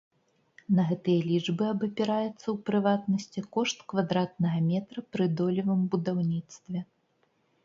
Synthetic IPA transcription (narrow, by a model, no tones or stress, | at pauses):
nɐɣɛt̪ɨjɐlʲid͡ʐbɨɐbɐpʲɛɾajɛt̪sːɐwpɾɨvat̪nɐsʲt͡sʲikɔʂt̪kvad̪ɾat̪̚nɐɣɐmʲɛt̪ɾɐpɾɨd̪ɔlʲivɐmbud̪awnʲit̪st̪vʲɛ